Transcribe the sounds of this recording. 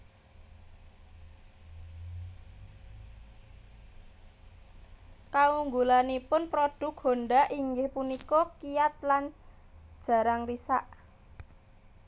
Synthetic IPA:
kauŋɡulanipʊnpɾoɖ̥ʊ̤k̚honɖaʔiŋɡɪhpunikɔkiat̪̚lan | d̥ʒ̥ä̤ɾaŋrisaʔ

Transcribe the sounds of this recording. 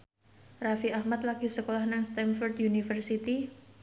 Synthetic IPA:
rafiahmat̪̚laɡ̥isəkolahnaŋst̪ɛnfɔrt̪junifərsit̪i

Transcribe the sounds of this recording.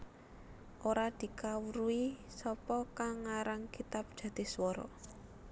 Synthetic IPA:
ʔoɾad̪̥i̤kawuɾui | sɔpɔkaŋaɾaŋkit̪ap̚d̥ʒ̥ä̤t̪ɪswɔɾɔ̰

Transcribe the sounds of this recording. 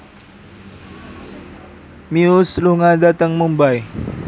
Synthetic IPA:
miusluŋadat̪əŋmumbaj

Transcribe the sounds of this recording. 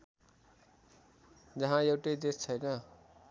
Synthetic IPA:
d͡zʌɦãjʌwʈʌjd̪est͡sʰʌjnʌ

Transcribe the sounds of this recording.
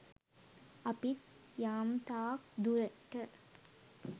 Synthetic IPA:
ɐpit̪jaːmt̪aːk̚d̪uɾɐʈːə

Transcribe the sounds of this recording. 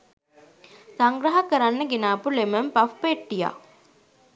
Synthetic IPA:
saŋɡɾəɦakəɾanːəɡenaːpuleməmpafpeʈːija̰

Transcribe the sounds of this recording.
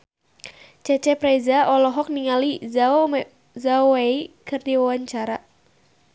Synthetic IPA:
t͡ʃɛt͡ʃɛpɾezaɔlɔɦɔk̚niŋali | zaoweikɨrd̪iwawaɲt͡ʃaɾa

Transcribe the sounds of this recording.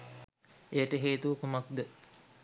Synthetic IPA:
ejəʈəɦeːt̪uʋəkumakd̪ə

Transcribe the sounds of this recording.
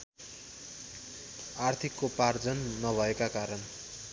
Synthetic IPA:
art̪ʰikːopard͡zʌnːʌbʱʌekakaɾʌn

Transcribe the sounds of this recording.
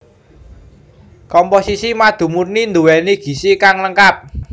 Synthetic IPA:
kɔmposisimad̪̥ṳmurnind̪uwɛniɡ̥i̤sikaŋləŋkap̚

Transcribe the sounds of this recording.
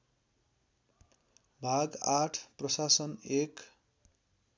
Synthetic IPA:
bʱaɡaʈʰprʌsasʌnek

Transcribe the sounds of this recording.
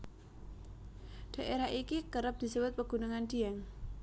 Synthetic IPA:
d̥a̤ʔeɾaʔikikəɾəp̚d̪̥i̤səbʊt̪̚pəɡ̥unəŋand̪̥iaŋ

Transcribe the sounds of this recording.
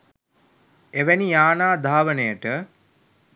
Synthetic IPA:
eʋænijaːnaːd̪ʱaːʋənəjəʈə

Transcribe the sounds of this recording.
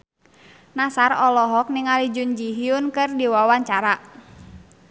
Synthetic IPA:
nasarɔlɔɦɔk̚niŋalid͡ʒʊnd͡ʒiɦiʊnkɨrdiwawaɲt͡ʃaɾa

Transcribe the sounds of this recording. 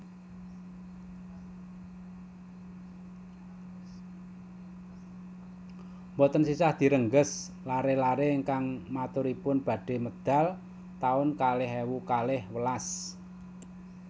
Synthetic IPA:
mbɔt̪ənsisahd̪̥i̤ɾəŋɡəs | laɾelaɾeəŋkaŋmat̪ʊɾipʊnb̥ä̤ɖ̥e̤məd̪̥a̤l | t̪aʊnkalɪɦewukalɪhwəlas

